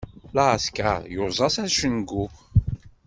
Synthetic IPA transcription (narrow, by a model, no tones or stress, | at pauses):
laska̰jʊɾzˤɑsæɾʃənɡu